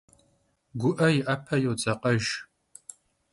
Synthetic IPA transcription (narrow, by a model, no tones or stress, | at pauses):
ɡʷʊʔɐjɪʔɐpʰɐjowt͡sʼɐqʼɐʒ